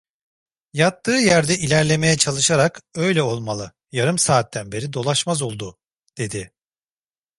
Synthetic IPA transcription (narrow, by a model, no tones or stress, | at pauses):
jat̪ːɯːjæɾd̪ɛʔilʲæɾlʲe̞me̞jɛt͡ʃʰalˠɯʃaɾakø̞jlʲɛo̞lˠmalˠɯ | jaɾɯmsaːt̪ːænbe̞ɾid̪o̞lˠaʃmazo̞lˠd̪u | d̪̥e̞d̪ɪ